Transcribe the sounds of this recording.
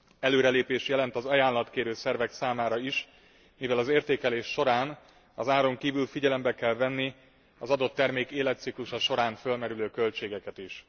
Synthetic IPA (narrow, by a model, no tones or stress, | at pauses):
ɛløːɾɛleːpeːʃjɛlɛnt̪ɒzɒjaːnlɒt̪keːɾøːsɛrvɛksaːmaːɾɒiʃ | mivɛlɒzeːrt̪eːkɛleːʃːo̞ɾaːn | ɒzaːɾo̞ŋkiːvylfiɟɛlɛmbɛkɛlvɛnːi | ɒzɒd̪o̞t̪ːɛrmeːkeːlɛt̪sikluʃɒʃo̞ɾaːnfølmɛɾyløːkø̞lt͡ʃeːɡɛkɛt̪iʃ